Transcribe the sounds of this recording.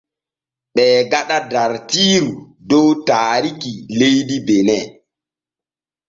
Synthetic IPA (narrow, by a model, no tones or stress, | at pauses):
ɓɛːɡaɗadaɾtiːɾu | dɔwtaːɾikilejdibenɛ